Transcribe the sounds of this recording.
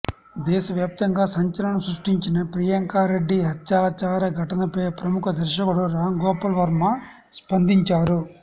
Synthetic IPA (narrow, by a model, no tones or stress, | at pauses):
d̪ɛːʃɐʋjaːp̚t̪ɐŋɡaːsɐɲt͡ʃɐlɐɳɐsɾuʂʈiɲt͡ʃinɐpɾijɐŋkaːɾeɖːiɦɐtːt͡ʃaːt͡ʃaːɾɐɡʱɐʈɐnɐpeːpɾɐmukʰɐd̪ʱɐɾʃɐkuɽuɾaːŋɡɔːpɐlʋɐɾmɐ | spɐnd̪iɲt͡ʃaːɾu